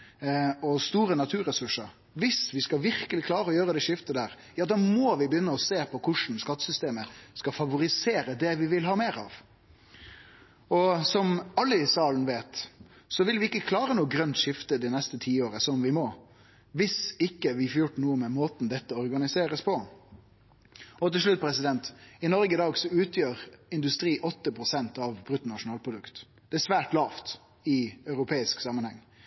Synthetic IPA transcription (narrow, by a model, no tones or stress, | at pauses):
ɔst̪uːɾənɑt̪ʰʉːɾɛsʉʂəɾ | ʋɪsʋɪskɑʋɪɾkəlɪkʰlɑːɾəɔjøːɾəd̪ɛʂɪft̪əd̪æːɾ | jɑːd̪ɑːmɔʋɪbəjʏnːəɔseːpʰɔkʰʊʂn̩skɑt̪ːsʏst̪eːməskɑfɑʋʊɾɪseːɾəd̪ɛʋɪʋɪlɦɑːmeːɾɑ̰ʋ | ɔsɔmɑlːəsɑːln̩ʋeːt̪ | sɔʋɪlʋɪɪkːəkʰlɑːɾənuːəɡɾœnt̪ʂɪft̪əd̪ɪnɛst̪ət̪ʰiːoːɾəsɔmʋɪmɔ | ʋɪsɪkːəʋɪfɔɾjʊʈːnuːəmɛmoːt̪nd̪ɛt̪ːəɔʁɡɑnɪseːɾəspʰɔ | ɔt̪ɪʂɭʉt̪̚ːpʰɾɛsɪd̪ɛnt̪ɪnɔɾɡəɪd̪ɑːɡsɔʉːt̪ʰjøːɾɪnd̪ʉst̪ɾiːʔɔt̪ːəpʰʁʊsɛnt̪ɑʋbɾʉt̪n̩nɑʂʊnɑːlpʰɾʊd̪ʉkt̪ | d̪̥ɛæsʋæːʈlɑːft̪ | ɪœʉɾʊpʰeːɪsksɑmənhɛŋː